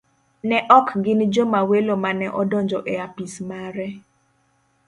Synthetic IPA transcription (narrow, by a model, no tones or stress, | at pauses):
nɛʔɔkɡɪnd͡ʒomawelomanɛʔɔdɔnd͡ʒɔʔɛapismaɾɛ